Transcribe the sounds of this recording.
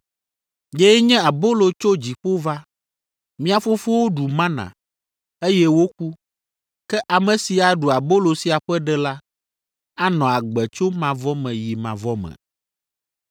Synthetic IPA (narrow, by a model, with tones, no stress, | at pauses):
je˦ɲɛ̃˦a˨bo˦lo˨t͡ʃo˦d͡ʑi˨ɸo˦va˦ | mĩ˦a˨fo˦fo˦wo˦ɖu˨mã˦nã̰˨ | e˦jɛ˦wo˦k̚u˦ | kɛ˦ʔa˨mɛ̃˨si˨a˨ɖu˨a˨bo˦lo˨si˨a˨ɸɛ˦ɖɛ˦la˦ | a˦nɔ̃˨a˨ɡ͡bɛ˨t͡ʃo˦mã˨vɔ˦mɛ̃˨ji˨mã˨vɔ˦mɛ̰̃˨